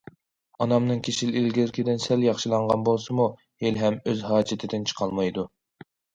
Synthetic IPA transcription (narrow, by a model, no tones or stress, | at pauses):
ɑnɑmnɨŋkʲʰeʃililɡʲɪɾkʲʰid̪ɪnsɛljɑχʃɨlˠɑɴʁɑnbolˠsɨmu | helɦɛmøzɦɑːd͡ʒɪt̪ʰɪd̪ɪnt͡ʃʰə̥qʰɑlˠmɑjd̪u